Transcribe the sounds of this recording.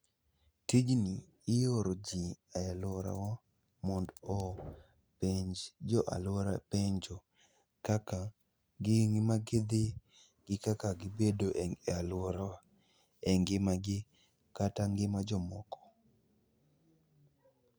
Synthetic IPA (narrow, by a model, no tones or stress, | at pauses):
tid͡ʒniː | joɾod͡ʒiaalwɔɾa̰wa | mɔndɔ | peɲd͡ʒd͡ʒɔʔa̰lwoɾapeɲd͡ʒɔ | kaka | ɡɪŋmaɡed̪e | ɡɪkakaɡɪbedoʔɛŋealwɔɾa | ɛŋɡɪmaɡɪ | kataŋɡɪmad͡ʒɔmɔkɔ̥